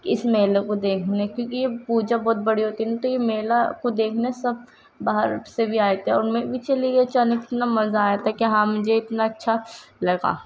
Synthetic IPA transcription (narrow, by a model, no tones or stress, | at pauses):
kɪsmeːlekod̪eːkʰneɛkjõːkijepuːd͡ʒabɔːt̪̚bɐɽiɦoːt̪iɛɛ̃t̪ojemeːlakod̪eːkʰnesɐb̚ | baːɦəɾsebʱiaːet̪ɦɛ̃ɔːɾmẽbʱit͡ʃeliet͡ʃaːnekɪ̥t̪namɐzaːjat̪aɛkeɦãmʊd͡ʒʱeɪt̪naɐtːʃʰalɐɡa̰ː